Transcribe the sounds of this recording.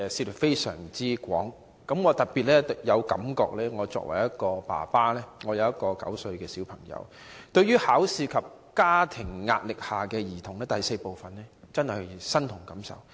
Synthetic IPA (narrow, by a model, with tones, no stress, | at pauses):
siː˧tfe˥jsœ̰ː˨˩ŋt͡siː˥kʷɔː˨˥ŋ | kɐ˨˥mŋɔː˨˧t̪ɐ˨t̚piː˨t̚lɛː˥t̪jɐ˨˧wkɐ̰˨˥mkɔ̰ː˧k̚lɛː˥ŋɔː˨˧t͡sɔ̰ː˧k̚wɐ˨˩jɐ˥t̚kɔː˧pa̰ː˨˩paː˥lɛː˥ŋɔː˨˧jɐ˨˧wjɐ˥t̚kɔː˧kɐ̰˨˥wsɵ˧ɥkɛː˧si˨˥wpʰɐ˨˩ŋjɐ̰˨˧w | t̪ɵ˧ɥyː˥haː˨˥wsiː˧kʰɐ˨p̚ | kaː˥t̪ʰɪ˨˩ŋːa̰ː˧t̚lɪ˨k̚haː˨kɛː˧jiː˨˩t̪ʰʊ˨˩ŋlɛː˥t̪ɐ˨jse˧jpo˨wfɐ˨nlɛː˥t͡sɐ˥nhɐ˨jsɐ˥nt̪ʰʊ˨˩ŋkɐ˨˥msɐ̰˨w